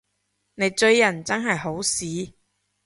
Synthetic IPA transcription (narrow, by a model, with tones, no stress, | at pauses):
ne˨˧jt͡ʃɵ˧ɥjɐ˨˩nt͡sɐ˥nɦɐ˨jɦo˨˥wsiː˨˥